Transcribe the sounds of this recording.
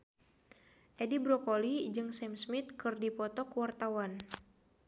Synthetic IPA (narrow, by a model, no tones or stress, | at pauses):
ʔedibɾɔkolid͡ʒɨŋsɛmsmit̪̚kɨrdipɔt̪ɔkwart̪awan